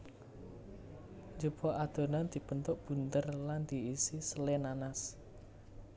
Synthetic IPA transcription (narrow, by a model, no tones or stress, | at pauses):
d͡ʒub̥ɔ̤ʔad̪̥o̤nand̪̥i̤b̥ənt̪ʊʔb̥ṳnt̪ərland̪̥i̤ːsisəlenanas